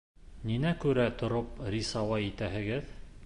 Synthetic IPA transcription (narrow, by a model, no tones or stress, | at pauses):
ninækʉɾæt̪ŏɾopɾʲisɑwɑit̪æɦɘ̆ɡɘð